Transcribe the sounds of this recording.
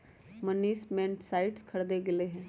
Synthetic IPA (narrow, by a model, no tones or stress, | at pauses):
mənːiːsmɛ̃ːɳʈsaːiʈskʰəɽd̪eɡɪleɦɛ̃ː